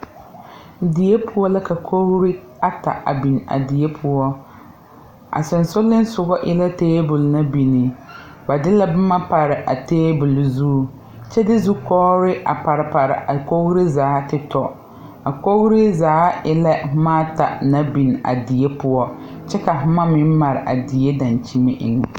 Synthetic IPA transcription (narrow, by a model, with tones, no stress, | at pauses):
di˨je˦pʰʊ˦wɔ˦la˦ka˨kʰo˦ɣɾɪ˦ | a˦ta̰˨a̰˨bi˨n˨a̰˨di˨je˦pʰʊ˦ɔ˦ | a̰˨sʊ˨nsʊ˦lːɪ˦n˦sʊ˨ɡɔ˦ʔɪ˦la˦teː˦bʊ˨lna˦bi˨nɪ˨ | ba˨dɪ˦la˦bɪ˦ma˦pa˨ɾɪ˨ʔa̰˨teː˦bʊ˨lzuː˦ | t͡ʃɛ˦dɪ˦zu˦kɔː˦ɾɪ˦ʔa̰˨pa˨ɾɪ˨pa˨ɾɪ̰˨ʔa˨ko˦ɣɾi˦zaː˨˦tɪ˦tɔ˨ | a˨ko˦ɣɾɪ˦zaː˨˦ɪ˦la˦hʊ˦maː˦ta̰˨na˦bi˨n˨a̰˨dɪ˨je˦pʊ˦ɔ˦ | t͡ʃɛ˦ka˨ɦʊ˦ma˦mɪ˦m˦ma˨ɾɪ˨ʔa˨dɪ˨je˦da˨nt͡ʃi˦me˦ʔɪ̰˨ŋ˨